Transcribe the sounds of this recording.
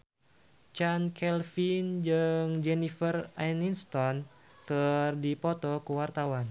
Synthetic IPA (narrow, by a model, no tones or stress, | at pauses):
t͡ʃankʰɛlfind͡ʒɨŋd͡ʒɛnifəraninst̪ɔn | kərdipɔt̪ɔkəwart̪awan